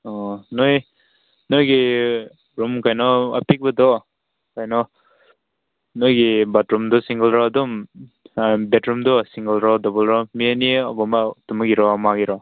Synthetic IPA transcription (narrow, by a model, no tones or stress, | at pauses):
ɔnɔj | nɔjɡi | ɾumkajnɔa̰pik̚badɔ | kajnɔ | nɔjɡibatɾumdɔsiŋɡɔlɾɔdɔm | betɾumdɔsiŋɡɔlɾɔdɔbɔlɾɔmianiɔ̰bɔmatumuɡiɾɔmaɡiɾɔ